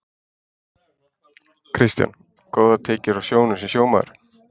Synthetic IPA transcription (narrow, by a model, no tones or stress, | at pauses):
kʰɾɪst̪ja̰n | koːwðat̪ʰeːcɪɾawsjoːwnʏsɛsjoːwmaɾ